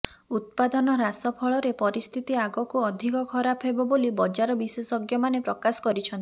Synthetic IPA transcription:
ut̪̚pad̪ɔnɔɾasɔpʰɔɭɔɾepɔɾist̪ʰit̪iaɡɔkuɔd̪ʱikɔkʰɔɾapʰɦebɔbolibɔd͡ʒaɾɔbisesɔɡjɔmanepɾɔkasɔ̥kɔɾit͡ʃʰɔnt̪i

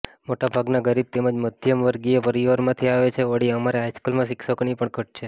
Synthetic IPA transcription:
moʈabʱaɡnaɡəɾib̚t̪eməd͡ʒməd̪ʱjəmʋəɾɡiepəɾiʋəɾmãt̪ʰiaʋet͡ʃʰeəɽiəmaɾeajskəlmãʃɪkʃəkɳipəɳkʰəʈ̚t͡ʃʰe

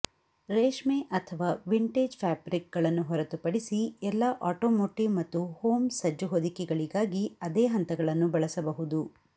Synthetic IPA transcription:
ɾeːʂmeʔɐt̪ʰɐʋaːʋiɳʈeːd͡ʒpʰaːbɾik̚ɡɐɭɐnːuɦɔɾɐt̪upɐɽisiɛlːɐʔaːʈoːmoːʈimɐt̪ːuhoːmsɐd͡ʒuɦod̪ikɛɡɐɭiɡaːɡiɐd̪eːɦɐnt̪ɐɡɐɭɐnːubɐɭɐsɐbɐɦud̪u

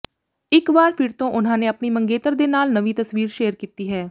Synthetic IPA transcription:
ɪkʋaːɾpʰɪɾt̪õːʔʊnɦãːnẽːəpniːməŋɡeːt̪əɾd̪eːnaːlnəʋiːt̪əsʋiːɾʃeːəɾkiːt̪iːɦɛː

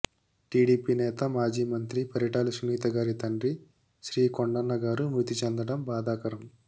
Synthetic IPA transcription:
ʈiːɽiːpiːnɛːt̪ɐmaːd͡ʒiːmɐnt̪ɾipɐɾjɐʈaːlusuniːt̪ɐɡaːɾit̪ɐɳɖɾi | ʃɾiːkoɳɖɐnːɐɡaːɾumɾut̪it͡ʃend̪ɐɽɐmbaːd̪aːkɐɾɐm

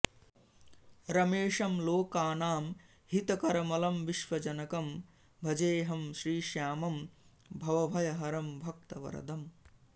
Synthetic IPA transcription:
ɾɐmeːʂɐmloːkaːnaːm | hit̪ɐkɐɾɐmɐlɐmʋiʃʋɐd͡ʒɐnɐkɐm | bʱɐd͡ʒeːɦɐmʃɾiːʃjaːmɐm | bʱɐʋɐbʱɐjɐɦɐɾɐmbʱɐkt̪ɐʋɐ̰ɾɐ̰d̪ɐm

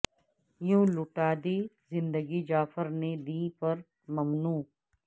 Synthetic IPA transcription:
jũːlʊʈaːd̪izɪ̃nd̪əɡid͡ʒaːfəɾned̪iːpɐɾ | mɐmnuː

